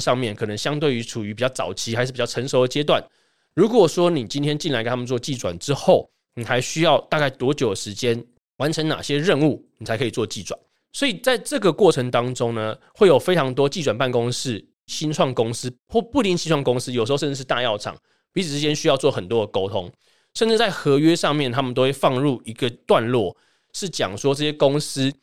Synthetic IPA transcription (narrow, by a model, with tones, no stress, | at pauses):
ʂɑ˥˧ŋmjɛ˥˨˩nkʰɤ˨˩nə˧˦ŋɕjɑ˥ŋt̪we˥˩ɪy˧˥ʈ͡ʂʰu˨˩y˧˥pi˨˩t͡ɕjɑ˥˩ʊt͡sɑ̰˨˩ʊt͡ɕʰi˧˥xa˧ɪʂɻ̩˥˩pi˨t͡ɕʰə˧˥ŋʂo˧˥ʊə˨˩t͡ɕjɛ˥t̪̬wa˥˨˩n | ɻu˧˥kwɔ˨˩ʂwɔ˥ni˨˩t͡ɕi˥nt̪ʰjɛ˥nt͡ɕi˥˩nla˧˥ke˧˥nʰa˥ə˨˧t͡swɔ˥˧t͡ɕi˥˩t͡swa̰˨˩nʈ͡ʂɻ̩˦xo˥˩ʊ | ni˨˩xa˧˥ɪɕy˥jɑ˥˧ʊt̪a˥˧ka˥˩ɪt̪wɔ˧˥t͡ɕjo˨˩ʊd̪ə˩ʂɻ̩˧˦˥t͡ɕjɛ˥n | wa˧˦nʈ͡ʂʰə˧˥ŋna̰˨˩ɕjɛ˦˥ɻə˥˧nu˥˩ni˨˩a˨˧ɪkʰɤ˧˥i˨˩t͡swɔ˥˧t͡ɕi˥˩t͡swa̰˨˩n | swɔ˧˥i˨˩t͡sa˥˧ɪʈ͡ʂɤ˥˩ɡə˩kwɔ˥˩ʈ͡ʂʰə˧˥ŋt̪ɑ˥ŋʈ͡ʂo˥ŋnə˨xwe˥˩ɪjo˨˩ʊfe˥ɪʈ͡ʂʰɑ˧˥ŋt̪wɔ˥t͡ɕi˥˩wa˨˩npa˥˩nkʊ˦˥ŋʂɻ̩˥˩ | ɕi˦˥nt͡sʰwɑ˥˩ŋkʊ˥ŋs̩˥xwɔ˥˩pu˥˧li˥˧ŋt͡ɕʰi˥nt͡sʰwɑ˥˩ŋkʊ˥ŋs̩˥jʂ̩˧˥˧ʂə˥˧ɻ̩˥ʂɻ̩˥˧t̪a̰˥˧jɑ˥˨ʊʈ͡ʂʰɑ̰˨˩ŋ | pi˧˥t͡s̩ʰ˨˩ʂɻ̩˧t͡ɕjɛ˥nɕy˥jɑ˥˧ʊt͡swɔ˥˩xə˨˩nt̪wɔ˥d̪ə˨˩ko˥ʊt̪ʰo˥ŋ | ʂə˥˧nʈ͡ʂɻ̩˥˩t͡sa˥˩ɪxɤ˧˥ɥɛ˦ʂɑ˥˧ŋmjɛ˥˨nt̪ʰa˥mə˨nt̪o˥we˥˩fɑ˥˧ŋɻu˥˩i˧˥ɡə˨t̪wa˥˧nlwɔ˥˩ | ʂɻ̩˥˩t͡ɕjɑ̰˨˩ŋʂwɔ˦˥ʈ͡ʂɤ˥˩ɕjɛ˥kʊ˥ŋsɹ̩˥